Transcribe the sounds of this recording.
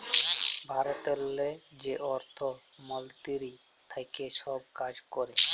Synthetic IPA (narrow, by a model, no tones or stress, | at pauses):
bʱaɾot̪elːed͡ʑeʔɔɾt̪ʰo | mɔlt̪iɾi | t̪ʰajkeʃɔb̚kad͡ʑkɔɾe